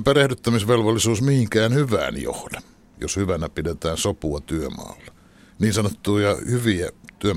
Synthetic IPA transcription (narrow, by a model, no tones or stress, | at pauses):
pærehdyt̪ːæmisʋelʋolːisuːsmihiŋkæːnhyʋæ̰ːnjo̰hd̥ɑ̥ | jo̰shyʋænæpidet̪æːnsopuɑt̪yømɑ̰ːlːɑ̥ | niːnsɑnot̪ːuːjɑhyʋiæt̪yø